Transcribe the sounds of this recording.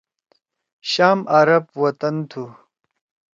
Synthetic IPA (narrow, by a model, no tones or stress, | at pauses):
ɕaːmʔɐɾɐbwɐt̪ɐnt̪ʰu